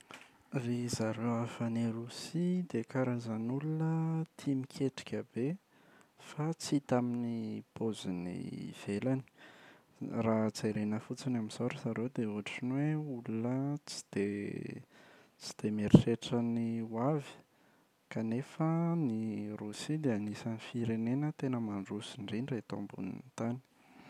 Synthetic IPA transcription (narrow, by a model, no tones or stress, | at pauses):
rizaɾewafəniɾusid̪ekaɾazanulunət̪ʰimikʰeʈ͡ʂi̥kʲəbe | fat͡sit̪aminipozinḭv̥elani̥ | rat͡seɾenəfut͡sinamizoɾəzaɾewd̪euaʈ͡ʂinweulunət͡si̥d̪̥e | t͡si̥d̪̥emeɾireʈ͡ʂəniwavi̥ | kanefənirusid̪eanisanifiɾenenət̪enəmaɳɖ͡ʐusiɳɖ͡ʐiniret̪o̰mbṵnḭt̪ani̥